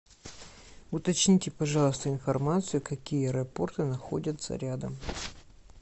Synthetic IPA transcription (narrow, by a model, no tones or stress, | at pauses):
ʊt̪ɐt͡ɕnʲitʲɪpɐʐɑlˠəst̪əɪnfɐrmat̪sɨjʊkɐkʲijəɾɐpo̞rt̪ɨnɐxo̰dʲət̪sə̰ɾʲad̪əm